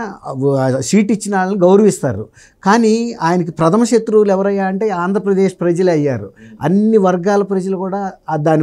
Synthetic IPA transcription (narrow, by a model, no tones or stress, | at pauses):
siːʈit͡ʃːinaːɭɐniɡɐwɾɐʋist̪a̰ːɾṵ | kaːniːaːjɐnɐkipɾɐt̪ʰɐmɐʃet̪ɾuːlɛʋɐɾɐjːaːɐɳʈe̞ːaːnd̪ʱɾɐpɾɐd̪eːʃpɾɐd͡ʒɐlɐjːaːɾuɐnːiʋɐɾɡaːlɐpɾɐd͡ʒɐlukuːɽaːd̪aːni